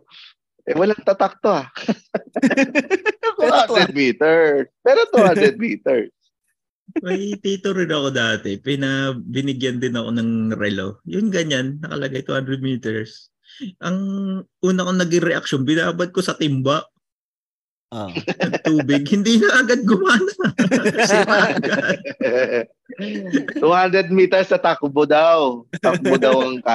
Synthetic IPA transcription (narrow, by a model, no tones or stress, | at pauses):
ʔɛwɐlaŋt̪at̪ak̚t̪oa | t̪uanɾɛd̪̚miːt̪ɛɹspɛːɾot̪uhanɾɛd̪̚miːt̪ɛɹs | mɐjt̪iːt̪oɾɪloɐko̞d̪aːt̪ɛpɪnɐbɪnɪɡjɐnd̪ɪnɐko̞̰nɐŋɾɛlo̰jʊnɡɐɲanːɐkɐ̰lɐɡajt̪uhand̪ɾɛd̪̚miːt̪ɛɹs | ʔɐŋʔuːnɐkonɐɡɪŋɾɛʔɐk̚ʃonbɪnaːbɐd̪̚ko̞sɐt̪ɪmbaʔ | ɐt̪uːbɪɡ̚hɪnd̪iːnɐʔɐɡad̪̚ɡʊmaːnɐsmaʔɡad̪̚ | t̪uːhand̪ɾɛd̪̚miːt̪ɛɹsnɐt̪akbod̪awt̪ɐk̚bod̪ɐwɐŋka